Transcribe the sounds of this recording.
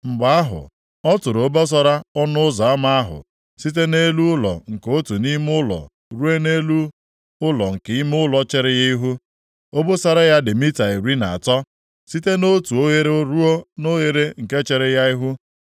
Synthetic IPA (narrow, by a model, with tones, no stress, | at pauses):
m̩˨ɡ͡ba˦a˦ɦʊ̰˨ | ɔ˦tʊ˨ɾo˨˦bo˦s̬ɔ˦ɾa˦ɔ˦nʊ˦ʊ˦za˨a˦ma˦a˦ɦʊ̰˨ | si˦t̬e˦ne˦lu˦ʊ˦lɔ̰˨ŋ̩˨ko˦tu˨ni˦m˦ʊ˦lɔ̰˨ | ɾu˦e˦ne˦lu˦ | ʊ˦lɔ˨ŋ̩˨kɪ˨˦i˦m˦ʊ˦lɔ˦t͡ʃe˦ɾɪ˦ɣi˦i˦ɦu˦ | o˦bo˦sa˦ɾa˦ja˦dɪ˨mi˦ta˨i˨ɾi˦na˨a˨tɔ˦ | si˦te˦no˦tu˨o˦ɣe˦ɾe˦o˦ɾu˦o˦no˦ɣe˦ɾe˦ŋ̩˨ke˦t͡ʃe˦ɾɪ˦ja˦i˦ɦu˦